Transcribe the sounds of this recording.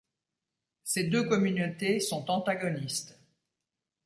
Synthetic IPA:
sed̪økɔmynot̪esɔ̃t̪ɑ̃t̪aɡɔnist̪

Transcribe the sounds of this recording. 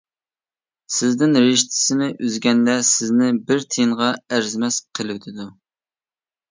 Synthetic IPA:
sɪzd̪ɪnɾɪʃt̪ʰɪ̥sɪnɪʔyzɡʲɛnd̪ɛsɪznɪbɪɾt̪ʰeɴʁɑæɾzmɛsqʰəlˠɪwt̪ʰɪd̪u

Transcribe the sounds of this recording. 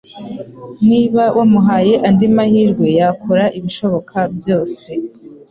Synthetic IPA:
mŋiːβawʔamuɦaːje̞ʔandimahiːɾɡwe̞jakʰoɾaʔiβiʃo̞βo̞kʰabjo̞ːse̞

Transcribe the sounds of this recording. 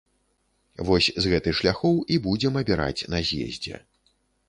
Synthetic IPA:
vɔsʲzɣɛt̪ɨxʂlʲaxɔwibud͡zʲɛmɐbʲɛɾa̰t͡sʲnɐzʲjɛ̰zʲd͡zʲɛ̰

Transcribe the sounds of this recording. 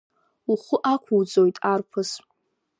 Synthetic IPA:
uχʷʊʔakʷʰuwd͡zojtʼarpʰɨs

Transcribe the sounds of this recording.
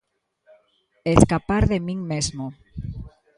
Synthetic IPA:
eskapaɾðemĩŋmezmo

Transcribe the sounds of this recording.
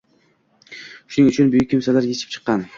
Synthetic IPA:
ʃʊnɪŋʊt͡ʃʰʊnbʊjɪkʲːɪmsalaɾjʲet͡ʃʰɪ̥p̚t͡ʃʰɨ̥qːɑn

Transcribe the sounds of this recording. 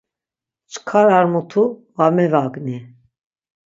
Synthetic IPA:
t͡ʃʰkʰaɾaɾmut̪ʰu | vamɛvakʼni

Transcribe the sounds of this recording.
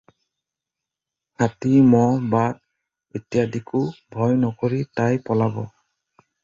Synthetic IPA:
kʰatimɔbad | etijadikʊbʱɔjnɔkoɹitajpɔlabɔ

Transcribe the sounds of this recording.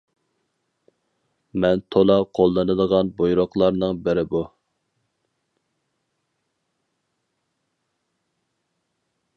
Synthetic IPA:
mɛnt̪ʰolˠɑqʰolˠːɨnɨd̪əʁɑnbojɾoχlˠɑɾnɨŋbɪɾɪbu

